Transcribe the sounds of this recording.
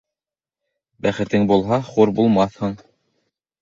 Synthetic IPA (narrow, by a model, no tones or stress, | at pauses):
bæχɘ̆t̪ɘŋbulˠɦɑχuɾbulˠmɑθhɤ̆ɴ